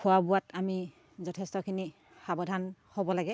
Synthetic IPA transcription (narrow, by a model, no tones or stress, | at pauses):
kʰʊwabʊwatami | zɔtʰɛstɔkʰini | xabɔdʱanhobɔlaɡɛ